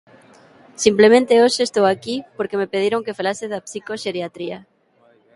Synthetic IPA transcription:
simplemẽnt̪eosest̪owakipoɾkemepeð̞iɾoŋkefalaseðapsikoʃeɾjat̪ɾia

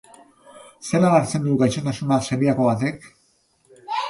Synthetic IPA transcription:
se̞lalaɾt͡se̞nd̪uɡajʃot̪asunaseɾiako̞βat̪e̞k

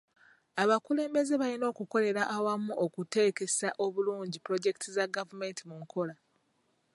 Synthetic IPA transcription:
aβakule̞ːmbe̞ze̞βalino̞ːkuko̞le̞ɾaʔːwamuokute̞ːke̞saʔo̞βuluːɲɟipɾo̞ɟe̞ki̥tʰizaɡavume̞ntimuŋkʰo̞la

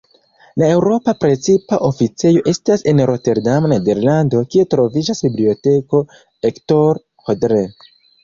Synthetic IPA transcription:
lae̞wɾo̞papɾe̞t͡sipaʔo̞fit͡se̞jo̞ʔe̞stase̞nɾo̞te̞ɾdamnede̞ɾlando̞kie̞tɾo̞vid͡ʒasbiblio̞te̞ko̞ | ekto̞ɾ | xodɾe

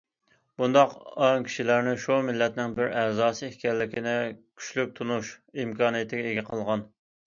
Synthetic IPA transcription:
b̥und̪ɑqɑŋkʲʰi̥ʃilæɾnɪʃumɪlːɛt̪nɪŋbɪɾɛːzɑːsɨehkʲɛlːɪkʲʰinɪkʲʰy̥ʃlyk̚ʲt̪ʰunuʃimkʰɑːnɨjɪt̪ʰɪɡʲɛeɡʲɛqʰəlˠʁɑn

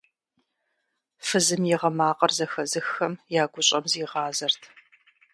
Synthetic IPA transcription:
fɨzɨmjɪʁɐmaːqɐrzɐxɐzɨxɐmjaːɡʷʊɕʼɐmziːʁɑːzɐrtʰ

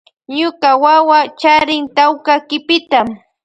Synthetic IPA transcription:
ɲʊkawawat͡ʃaɾɪŋt̪awkakɪpɪt̪am

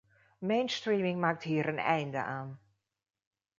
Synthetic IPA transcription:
mejnstriːmɪŋmaːk̚tɦiːəɾənɛ̰jndə̰ʔaːn

